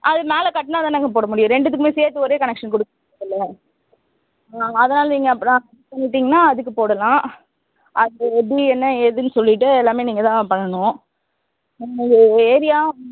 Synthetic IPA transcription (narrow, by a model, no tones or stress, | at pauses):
ʔɐðɯmeːlɐkɐʈːɐnaːɐðaːnaːŋɡɐpoːɽɐmʊɽɪjʊ̃ɾɛɳɖɯðɯkːɯmeːseːɾt̪ːɯɔɾeːkɐnɛkʂɐnkɔɽɯkːɐ | ɐlːɐ | ɐðɐnaːlɐniŋɡɐːpːɯɾ̃ɐ | pɐɳːɪʈ̬ːiːŋɡɐnːaːɐðɯkːɯpoːɽɐlãː | ʔɐðɯbiɛnːɐɛðɯnɯsɔlːɪʈːɯɛlːaːmeːniːŋɡɐt̪ãːpɐɳːɐnʊ̃ | ɐeːɾɪjaː